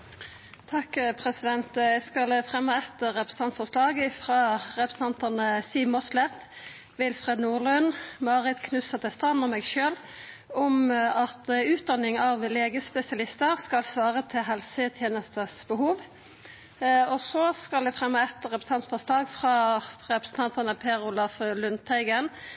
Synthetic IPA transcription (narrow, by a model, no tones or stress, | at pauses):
t̪ʰɑkpʰʁɛsɪd̪ɛnt̪æskɑlfʁɛmːəɛt̪ːəʁɛpɾʁəst̪ɑnt̪fɔʂlɑːɡɪfʁɑːʁɛpɾsɑnt̪ənəsiːʋmɔslɛt̪ | ʋɪlfʁɛːd̪nuːlʉnmɑːʁɪt̪kʰnʉsɑt̪ʰɛst̪ɑnɔmɛɡʃøːl | ɔmɑt̪ʉːt̪̚d̪ɑnɪŋɑʋleːɡəspɛsɪɑlɪst̪əʁskɑlsʋɑːʁət̪ʰɪlɦɛlsət̪ʰjeːnəst̪əsbəɦuːʋ | ɔsɔskɑld̪ɛfʁɛmːəɛt̪ːəʁɛpɾəst̪ɑnt̪fɔslɑːɡfʁɑʁɛpɾəsn̩t̪ʰɑnt̪ənəpʰeːɾʊlɑflʉnt̪ʰæɪɡən